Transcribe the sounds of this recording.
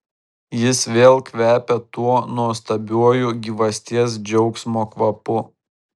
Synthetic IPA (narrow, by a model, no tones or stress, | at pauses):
jɪsʋʲeːlˠkʋʲæːpʲɛt̪uɔnuɔst̪ɐbʲuɔjʊɡʲiːʋɐsʲt̪ʲiɛs̬d͡ʒʲɛʊksʲmoːkʋɐpʊ